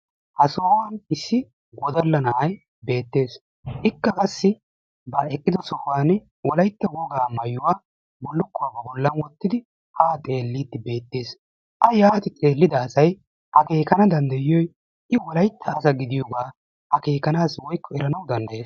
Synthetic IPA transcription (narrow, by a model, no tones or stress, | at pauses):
hɐsoːwɐnɪsːɪ | ɡɔd̪ɐlːɐnɐʔɐj | be̞ːt̪ːe̞ːs | ʔɪkːɐkʼɐsːɪ | bɐɛkʼːɪd̪ɔsɔhaːn | wɔlɐjt̪ːɐɡoːɡaːmɐjʊwaː | bɔlːʊkːʊwabɐbɔlːɐnwɔt̪ːɪd̪ɪ | haːt̪ʼe̞ːlːiːt̪ːɪbe̞ːt̪ːe̞ːs | ʔɐjaːt̪ɪt̪ʼe̞ːlːɪd̪ɐːsɐj | hɐke̞ːkɐnɐd̪ɐnd̪ɐjɪjɔj | ʔɪwɔlɐjt̪ʰːɐːsɐɡɪd̪ɪjɔɡaː | hɐke̞ːkɐnaːswɔjkːɔɛɾɐnɐwd̪ɐnd̪ɐjeːs